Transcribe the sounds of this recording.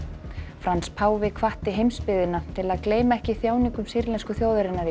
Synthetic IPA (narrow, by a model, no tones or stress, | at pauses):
fɾanspʰaːwvɪkʰvaht̪ɪɦejmspɪðɪnat̪ʰɪlaðkleːjmaɛhcɪθjaːwniŋkʏmsiɾlɛnskʏθjoːwðʏɾɪnːað